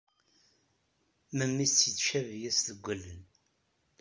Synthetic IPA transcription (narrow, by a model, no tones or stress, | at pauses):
məmːist͡sːjitːʃævjæsðəɡʷːælːən